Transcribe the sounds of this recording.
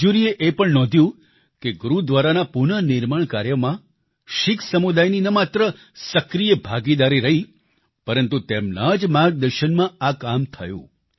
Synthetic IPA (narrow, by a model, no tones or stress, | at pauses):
d͡ʒuɾieʔepəɳnɔ̃d̪ʱjũ | keɡuɾud̪ʋaɾanapunənɪɾmaɳkaɾjəmã | ʃɪkʰsəmud̪ajninəmat̪ɾə | səkɾijəbʱaɡid̪aɾiɾəɦi | pəɾənt̪ut̪emnad͡ʒmãɡ̚d̪əɾʃənmãakamt̪ʰəjṵ̃